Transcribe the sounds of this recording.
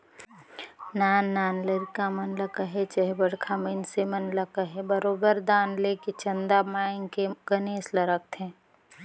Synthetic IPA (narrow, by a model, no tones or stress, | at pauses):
naːnːaːnləɾkamənləkəɦet͡ʃəɦebəɽ̤kʰaminsemənləkəɦebəɾoːbəɾd̪aːnleket͡ʃɐnd̪amaːɪnkeɡəneːsləɾək̚t̪ɦɛ̃ː